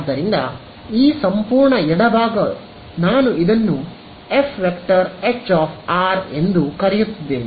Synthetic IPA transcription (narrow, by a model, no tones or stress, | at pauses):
d̪ːɐɾind̪ɐ | iːsɐmpuːɾɳɐɛɽɐbaːɡɐ | naːnuid̪ɐnːu | epʰʋekʈɐɾet͡ʃːaːpʰaːɾe̞nd̪ukɐɾɛjut̪ːid̪ːe̞ːni